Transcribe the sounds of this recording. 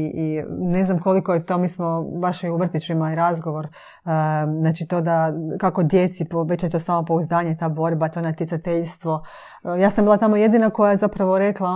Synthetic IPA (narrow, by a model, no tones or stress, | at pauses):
ine̞znamko̞liko̞jet̪o̞ːmiːsmo̞baʃiuʋr̩t̪it͡ʃuimaliɾazɡoʋo̞ɾ | znaːt͡ʃit̪o̞ːd̪akako̞d̪je̞t̪sipoʋe̞t͡ɕjet̪o̞saːmopouzd̪aːɲet̪aːbo̞ɾbat̪o̞nat̪jesat̪eʎst̪ʋo̞ | jaːsambiːlˠat̪amoje̞d̪inako̞jajezapɾaʋo̞ɾe̞klˠa